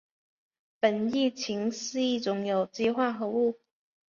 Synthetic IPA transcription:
pə˨˩ni˥˩t͡ɕʰi˧˥ŋsɹ̩˥˧i˥˩t͡sʊ˧˥ŋjo˨˩ʊt͡ɕi˥˧xwa˥˩xɤ˧˥u˥˩

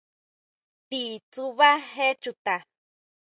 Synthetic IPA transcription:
t̪i˨t͡suβa˦ɦe˦t͡ʃut̪a˨

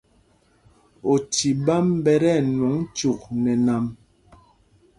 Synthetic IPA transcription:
o˨ti˨ba˦mbɛ˦˨ɾɛ˦˨nwɔ˨˦ŋt͡ʃu˨k̚nɛ˨na˨m

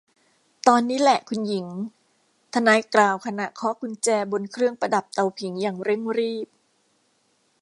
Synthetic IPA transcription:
t̪ɔː˧nːiː˦˥lɛ˨˩ʔkʰu˧nji˩˦ŋ | t̪ʰa˧naː˧jklaː˨˧wkʰa˧na˨˩ʔkʰɔ˦˥kʰu˧nt͡ɕɛː˧bo˧nkʰɾɯ˥˩əŋpa˧da˨˩p̚t̪a˧wpʰi˩˦ŋjaː˨˩ŋɾe˥˩ŋɾiː˥˩p̚

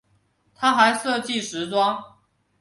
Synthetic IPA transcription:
t̪ʰa˥xa˧˥ɪʂɤ˥˧t͡ɕi˥˨ʂɻ̩˨˥t͡swɑ˥ŋ

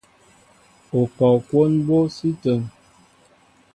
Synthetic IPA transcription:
o˨kɔ˨kwo˦nbo˦si˦tə˨ŋ

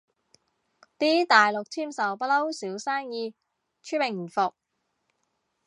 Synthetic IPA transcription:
t̪iː˥t̪aː˨jlʊ˨k̚t̪ʰiː˥˩msɐ˨˩wpɐ˥lɐ˥wsiː˨˥wsaː˥ŋjiː˧ | t͡ʃʰy˥mɪ˨˩ŋm̩˨˩fʊ˨k̚

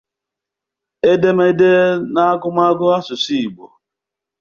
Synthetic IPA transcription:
e˦de˦m˦e˦de˦na˦a˦ɡʊ˦m˦a˦ɡʊ˦a˦sʊ˨si˦i˨ɡ͡bo̰˨

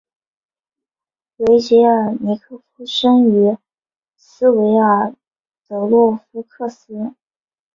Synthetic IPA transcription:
we˧˥ɪt͡ɕɛ˧˥ə˞˨˩ni˧˥kʰɤ˥˩fʰu˥ʂə˥ŋy˧˥ | sɹ̩˥we˧˥ɪə˞˨˩ | t͡sɤ˧˩ʊlwɔ˥˩fu˧˥kʰɤ˥˩sɹ̩˥

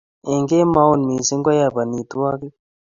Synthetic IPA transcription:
e˨ŋɡe˦ma˦wu˦˨nmi˨si˦ŋɡwa˦ja˨ba˨ni˨t̪u˦a˦ki˦

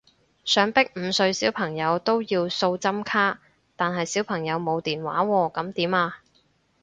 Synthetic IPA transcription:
sœː˨˥ŋpɪ˥k̚m̩˨˧sɵ˧ɥsiː˨˥wpʰɐ˨˩ŋjɐ˨˧wt̪o˥wjiː˧wso˧wt͡sɐ˥mkʰaː˥ | t̪aː˨nɦɐ˨jsiː˨˥wpʰɐ˨˩ŋjɐ˨˧wmo˨˧wt̪iː˨nwa̰ː˨˥wɔː˧kɐ˨˥mt̪iː˨˥maː˧

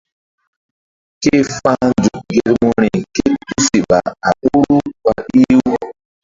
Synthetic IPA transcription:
ke˦fa˦d͡ʒu˨k̚ɡe˦ɾmo˦ɾi˨ke˦tu˦si˨ɓa̰˨a˨ʔu˦ɾu˦k͡pa˨ʔi˦w

